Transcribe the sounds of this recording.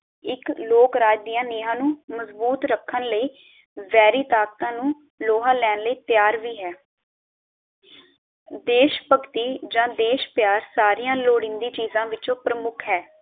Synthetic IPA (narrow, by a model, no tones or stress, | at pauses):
ɪkloːkɾaːd͡ʒd̪ijãːnɪːɦãːnũːməzbuːt̪ɾəkʰːənləiː | ʋɛːɾiːt̪aːk̚t̪ãːnũː | loːɦãːlɛːnləiːt̪jaːɾʋiːɦɛː | d̪eːʃpəkt̪iːd͡ʒãːd̪eːʃpjaːɾsaːɾijãːloːɽɪ̃nd̪iːt͡ʃiːzãːʋɪt͡ʃõːpɾəmʊkʰɦɛː